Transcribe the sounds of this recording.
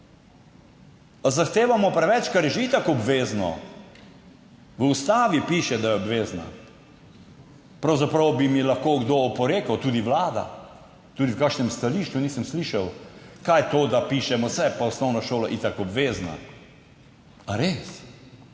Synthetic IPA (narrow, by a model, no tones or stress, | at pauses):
azaxt̪eːʋamɔpɾɛʋɛt͡ʃkaɾjɛʒeit̪akɔbʋeːznɔ̰ | ʋəust̪aːʋipiːʃɛd̪ajɛɔbʋeːzna̰ | pɾawzapɾɐwbimilɐxkoːɡd̪oːpɔɾeːkɐwt̪uːd̪iʋlaːd̪a̰ | t̪uːd̪iwkaːkʃnɛmst̪aliːʃt͡ʃuniːsəmsliːʃɐwkajt̪oːd̪apiːʃɛmɔsɛpaɔsnɔwnaʃoːlaʔit̪akɔbʋeːzna̰ | aɾeːs